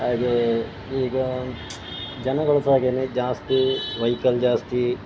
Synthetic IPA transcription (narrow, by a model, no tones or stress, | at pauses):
aːɡ̪e | iːɡɐ | d͡ʒɐnɐɡɔɭɐsaːɡeːned͡ʒaːst̪iʋɐjkɐld͡ʒaːst̪i